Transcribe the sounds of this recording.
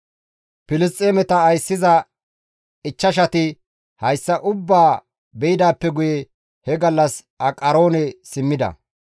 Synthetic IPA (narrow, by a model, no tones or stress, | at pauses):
pɪlɪst̪ʼːeːmɛt̪ɐːjsːɪzɐ | ɪt͡ʃːɐʃ̬ɐt̪ɪ | hɐjsːɐʔʊbːaː | bɛjɪd̪aːpːɛɡʊjɛ | hɛɡɐlːɐs | ɐkʼɐɾo̞ːnɛsɪmːɪd̪ɐ̰